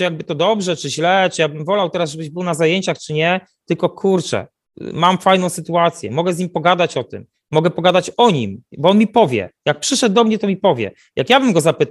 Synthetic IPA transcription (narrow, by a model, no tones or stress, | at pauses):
ɨjaɡ̚bɘt̪ɔd̪ɔbʐɛt͡ʂɘʑlɛt͡ʂɨjabɘmvɔlawt̪ɛɾazʐɛbɘʑbɘwnazajeɲt͡ɕaxt͡ʂɘɲɛ | t̪ɘlkɔkʰuɾt͡ʂɛ̰ | mamfajnɔ̃w̃sɘt̪uat̪sʲjɛ̰mɔɡɛzɲimpɔɡad̪at͡ɕɔt̪ɘ̰mː | ɔɡɛpɔɡad̪at͡ɕɔɲimbɔɔnmʲipɔvʲjɛ̰jak̚pʂɘʂɛd̪̚d̪ɔmɲɛt̪ɔmʲipɔvʲjɛ̰ | jakjabɘmɡɔzapɘt̪